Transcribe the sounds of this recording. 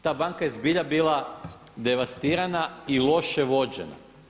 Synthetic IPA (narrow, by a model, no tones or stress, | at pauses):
t̪aːbaŋkajezbiʎabiːlˠa | d̪eʋast̪iːɾanailˠo̞ʃeʋo̞d͡ʑḛna̰